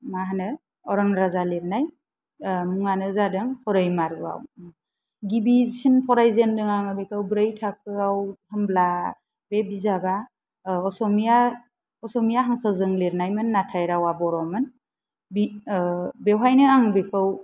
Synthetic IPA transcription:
maɦanɯ | ɔɾɔŋɾazaleɾnaj | muŋanɯzadɯŋhɔɾɯjmaɾɡɯa̰w | ɡibizisinpʰɔɾajzendɯŋaŋabekʰɯwbɾajtʰak̚ʰɯawhɯmbla | bebizaba | ɔsɔmija | ɔsɔmijaɦaŋkʰɯzɯŋleɾnajmɯnːatʰajɾawabɔɾɔmɯn | bi | bewajnɯaŋbekʰɯw

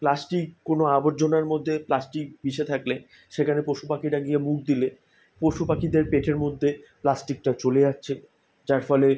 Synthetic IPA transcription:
plasʈikːonoaboɾd͡ʑonaɾmod̪ʱːeplasʈik̚biʃet̪ʰakle | ʃekʰanepoʃupakiʈaɡiemuk̚d̪ile | poʃupakid̪eɾpeʈʰeɾmod̪ʱːeplasʈik̚ʈat͡ɕoleatːɕʰe | d͡ʑaɾfɔle

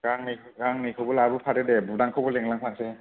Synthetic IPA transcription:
ɡ̥aŋnikʰɡaŋnijkʰɯwbɔlabupʰatedɛbudaŋkʰawbɔleŋlaŋpʰaŋse

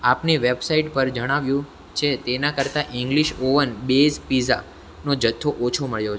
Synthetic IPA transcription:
apneʋebsaiʈpəɾd͡ʒəɽ̃aʋjũ | t͡ʃʰet̪enakəɾt̪aʔĩŋɡliʃoʋənbespiza̰ | nod͡ʒət̪ʰːoʔot͡ʃʰoməɭjo

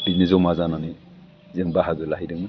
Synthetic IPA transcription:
binezɔmazananɯ | zeŋbaɦaɡɯlaɦidɯŋmɯ

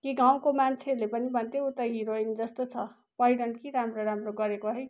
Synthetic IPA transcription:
kiɡãũkomant͡ʃʰelepʌnibʌnt̪eut̪əɦiɾoind͡zʌst̪ot͡sʰʌ | pʌiɽəɳɖkiɾamɾoɾamɾoɡʌɾekoɦʌj

